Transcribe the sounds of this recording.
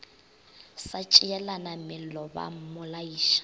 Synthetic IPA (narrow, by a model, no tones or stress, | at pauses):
sat͡ʃʼiɛlanamɪlɔba̰mʊlaiːʃḁ